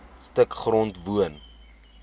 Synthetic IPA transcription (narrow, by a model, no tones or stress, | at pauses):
stəkχrɔntvuən